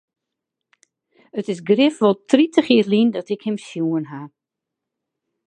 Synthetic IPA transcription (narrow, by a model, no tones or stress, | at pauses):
ətɪsɡrɪfʋɔlˠtritʰəxjɪːrlindɔtɪkhɪmsjuənɦa